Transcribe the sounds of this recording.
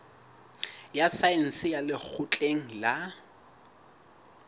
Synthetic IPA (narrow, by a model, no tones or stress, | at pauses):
jasaen̩sɪjalɪk͡xʰʊt͡ɬʼeŋ̩la